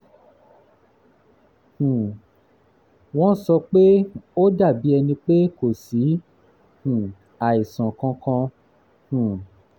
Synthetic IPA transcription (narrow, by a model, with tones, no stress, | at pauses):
hũ˨ | w̃ɔ̃˦sɔ˧k͡pe˦o˦da˦˨bi˨˦ɛ˧nĩ˧k͡pe˦ko˦˨si˨˦ | hũ˨ | a˨i˨sã˨kã˧kã˧ | hũ˨